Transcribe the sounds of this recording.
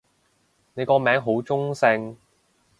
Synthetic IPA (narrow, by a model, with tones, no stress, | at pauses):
ne˨˧jkɔː˧mɛː˨˥ŋɦo˨˥wt͡sʊ˥ŋsɪ˧ŋ